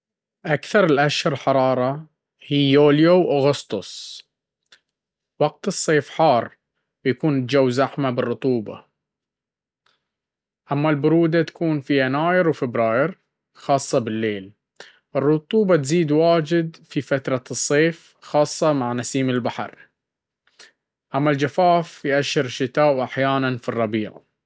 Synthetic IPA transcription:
ʔakθɑɾˤɪlʔaʃhʊɾˤħɑɾˤɑːɾˤɑ | hiːoːljowʔʊɣʊst̪ʊs | wɑɡ̚t̪ɨsˤːeːfħɑːrˤ | bjakuːnɪd͡ʒawːzaħmabɪrːʊt̪ˤuːbɑ̰ | ʔamːalbʊɾuːd̪at̪ḁkʰuːnfianaːjɪɾwfɪbɾɑːjɪɾ | xɑːsˤːɑbɪlːeːl | ʔɪrːʊt̪ˤuːbɑt̪ziːd̪waːd͡ʒɪd̪fifat̪ɾˤɑsˤːeːf | xɑːsˤːɑmaʕnasiːmɪlbaħɑ̰ɾˤ | ʔamːald͡ʒafaːfjʔaʃːɪɾʃːɪt̪aːʔwʔaħjaːnanfirˤːɑbiːʕa̰

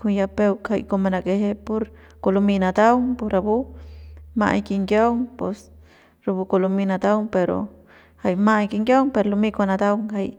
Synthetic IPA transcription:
kunjapewkʰhajkomanakeɦepoɾ | kolominad̪awŋpoɾabu | ma̰jkiŋɡjawŋpes | ɾubukoluminad̪awŋpeɾo̰ | hajmajkiŋɡjawŋpeɾolumikonad̪awŋhaj

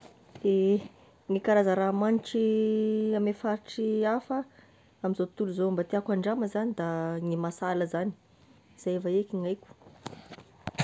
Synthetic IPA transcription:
d̪̥e | ŋikaɾazəɾamaniʈ͡ʂi | amefaɾiʈ͡ʂiafə | amizot̪uluzoambat̪iakʷaɳɖ͡ʐaməzanid̪aŋimasaləzani̥ | z̥ajevaekʲiŋajkʲu̥

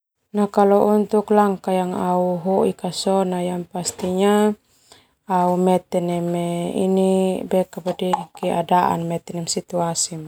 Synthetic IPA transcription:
nakalɔʔunt̪uklaŋkajaŋauɦɔʔikasɔnajaŋpast̪iɲa | aumɛt̪ɛnɛmɛḭnibɛkapadikɛʔadaʔa̰nmɛt̪ɛnɛmsit̪uasima

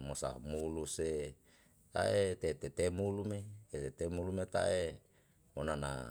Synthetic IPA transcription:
mosa̰muluse | t̪a̰et̪et̪et̪emulumeet̪et̪emulumet̪a̰ʔe | monana̰

